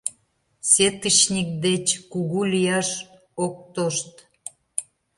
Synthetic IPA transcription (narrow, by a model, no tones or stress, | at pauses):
set̪ət͡ɕnʲik̚d̪et͡ɕkuɣulʲijɑʃ | ok̚t̪oʃt̪